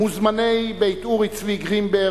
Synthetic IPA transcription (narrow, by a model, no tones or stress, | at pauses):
uzmanejbejt̪uʁit͡sviɡʁimbeː